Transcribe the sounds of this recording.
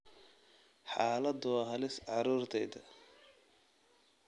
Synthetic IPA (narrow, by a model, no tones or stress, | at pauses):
ħɑːlɐd̪wɑːɦɐlɪsʕɑɾuːrt̪ʰɛjd̪ɐ